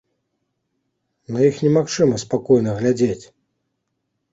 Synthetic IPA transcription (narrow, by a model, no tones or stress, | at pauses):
nɐjixnʲɛmaxt͡ʂɨmɐspakɔjnɐɣlʲad͡zʲet͡sʲ